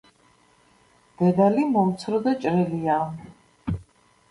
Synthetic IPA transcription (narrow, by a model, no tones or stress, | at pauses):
d̪̥ɛd̪alimɔmt̪sʰɾɔd̪at͡ʃʼɾɛlia